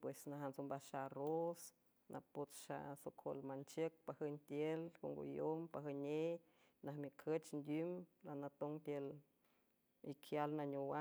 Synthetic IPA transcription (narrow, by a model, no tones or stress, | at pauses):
pwesnaɦant͡sombaʃaros | nʔa̰pot͡sʃa̰sokʰo̰lmant͡ʃək̚pahənt̪jelkoŋɡo̰jompaɦəne | nahmikʰət͡ʃnd̪ʲumlanat̪oŋt̪jel | ikʰjalnaɲowa